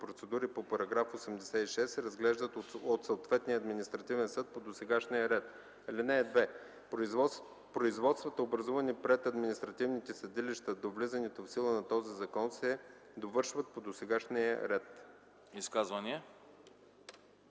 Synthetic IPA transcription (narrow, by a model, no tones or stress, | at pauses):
pɾot̪sɛd̪uɾipopɐɾɐɡɾafosɛmd̪ɛsɛiʃɛsːɛɾɐzɡlɛʒd̪ət̪ot̪soot̪vɛt̪niəːd̪minist̪ɾɐt̪ivɛnsɤt̪̚pod̪osɛɡaʃnijəɾɛt̪ | linɛːd̪vɛ | pɾoizvɔt̪st̪vət̪əobɾɐzuvɐnipɾɛt̪ɐd̪minist̪ɾɐt̪ivnit̪ɛsɐd̪iliʃt̪əd̪ovlizɐnɛt̪ofsilˠənɐt̪ɔzizɐkɔnsɛ | d̪ovɤɾʃvət̪̚pod̪osɛɡaʃnijə̰ɾɛt̪ | iskazvɐniɛ